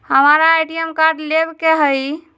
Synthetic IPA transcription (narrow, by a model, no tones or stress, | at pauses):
həmaɾaːjɖijəmkaɾɖlebkeɦəj